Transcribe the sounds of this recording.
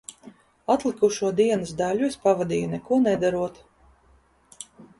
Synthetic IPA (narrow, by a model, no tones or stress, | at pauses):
at̪lˠikuʃuɔd̪iɛnɨsd̪alʲuespavad̪iːjunɛkuɔnɛd̪aɾuɔt̪